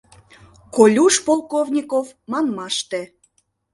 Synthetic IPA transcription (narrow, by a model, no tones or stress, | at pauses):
kolʲuʃpolˠkovnʲikovmɑnmɑʃt̪e